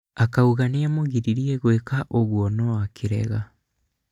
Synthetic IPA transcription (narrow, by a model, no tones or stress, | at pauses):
akauɣaneamoɣiɾiɾiɛɣwekaʔoɣwɔnɔakʰiɾɛ̰ɣa